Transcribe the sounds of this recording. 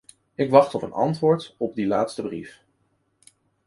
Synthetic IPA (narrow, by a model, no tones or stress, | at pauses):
ɪkʋɑχtɔpənɑ̰ntʋʊːɹtɔb̚dilaːtstəbrḭf